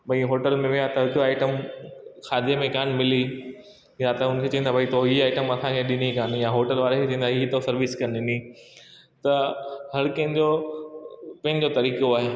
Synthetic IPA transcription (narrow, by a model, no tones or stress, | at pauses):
bɐiɦoːʈəlmẽʋɪjat̪ɐɦʊd͡ʑoaːɪʈəmkʰaːd̪ijemẽkaːnmɪli | jat̪ɐʊnkʰet͡ɕɐ̃ɦĩnd̪abʱɐit̪oiaːɪʈəmɐt̪ʰãkʰẽɗɪnikaːnjaɦoːʈəlʋaːɾekʰet͡ɕĩːn̆d̪aɦit̪osɐɾʋɪskɐnɗɪni | t̪ɐɦɐɾkɐ̃ɦɪ̃nd͡ʑo | pɐ̃ɦɪnd͡ʑot̪ɐɾiːkoaːɦe